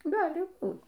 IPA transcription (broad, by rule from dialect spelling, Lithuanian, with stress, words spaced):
ˈɡɑːlʲɪ ˈbuːt